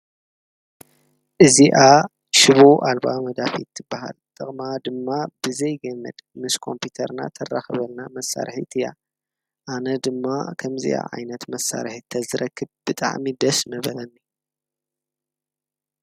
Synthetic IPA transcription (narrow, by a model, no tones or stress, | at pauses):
ʔɨziʔa | ʃɪβoʔalbamɐd̪afit̪ʰːɨbːɐɦa̰lt̪ʼɨχʼmad̪ɨmːabɨzɐjɡɐmːɐd̪mɨskʰo̞̰mpʰut̪ʰɐɾna̰t̪ʰɐrːaxɐβɐlnamɐsːa̰ɾħḭt̪ʰɨja̰ | ʔanɐd̪ɨmːakʰɐmzḭʔa̰ʕa̰jnɐt̪mɐsːa̰ɾħit̪ʰːɐzɨɾʔɐkʰːɨbb̥ɨt̪ʼa̰ʕmid̪ɐsmɐβɐlɐnːi